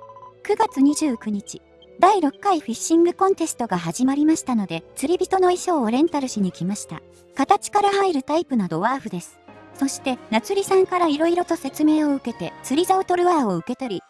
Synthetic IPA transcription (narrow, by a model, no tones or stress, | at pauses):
kɯ̟ɡat͡sɨɲ̟iʑɨːkɯ̟ɲ̟it͡ɕi | d̪aiɾo̞kːaiɸiɕːĩŋɡɯ̟kõ̞nt̪e̞sɨ̥t̪o̞ɡaɦaʑimaɾʲimaɕi̥t̪ano̞d̪e̞t͡sɨɾʲibʲit̪o̞no̞iɕo̞ːɾẽ̞nt̪aɾɯ̟ɕiɲ̟ikʲimaɕi̥t̪a̰ | kat̪at͡ɕi̥kaɾahaiɾɯ̟t̪aipɯ̟nad̪o̞βaːɸɯ̟d̪e̞sɨ̥so̞ɕi̥t̪e̞nat͡sɨɾʲisãŋkaɾaiɾo̞iɾo̞t̪o̞se̞t͡sɨme̞ːo̞ɯ̟ke̞t̪e̞t͡sɨɾʲizaɯt̪o̞ɾɯ̟βaːo̞ɯ̟ke̞t̪o̞ɾʲi